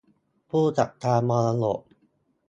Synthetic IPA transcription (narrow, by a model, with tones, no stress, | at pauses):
pʰuː˥˩t͡ɕa˨˩t̪ʰaː˧mɔː˧la˧lo̰˨˩ʔ̚